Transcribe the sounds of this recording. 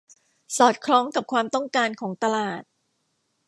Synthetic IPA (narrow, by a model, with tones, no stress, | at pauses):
sɔː˨˩t̪̚kʰɾɔː˦˥ŋka˨˩p̚kʰwaː˧mt̪ɔ˥˩ŋkaː˧nkʰɔː˩˦ŋt̪a˧laː˨˩t̪̚